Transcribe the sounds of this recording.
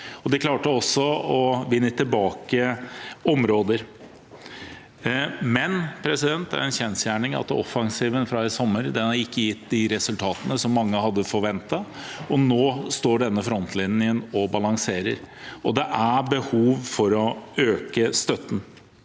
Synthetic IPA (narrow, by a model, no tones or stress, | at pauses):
ɔd̪ɛkʰlɑːʈəɔsːɔɔʋɪnːət̪ʰːɪlbɑːkəɔmɾoːd̪əɾ | mɛnpʰɾɛsɪd̪ɛnt̪æ̰ɾɛnçɛnsjæːɳɪŋɑ̰t̪ɔfɑŋsiːʋənfɾɑɪsɔmːəɾd̪ɛnɑɾɪkːəjɪt̪ːd̪ɪɾɛsʉlt̪ʰɑːt̪ənəsɔmːɑŋːəhɑd̪ːəfɔɾʋɛnt̪ɑ | ɔnoːst̪oːɖɛnːəfɾɔnt̪ʰlɪnɪənɔbɑlɑŋseːɾəɾɔd̪ɛʔæbəhuːʋfɔɾɔøːkəst̪œt̪ːn̩